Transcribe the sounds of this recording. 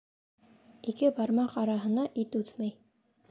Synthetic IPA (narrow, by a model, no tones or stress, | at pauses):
ikɘbɑɾmɑqɑɾɑɦɤ̆nɑʔit̪ʉθmæj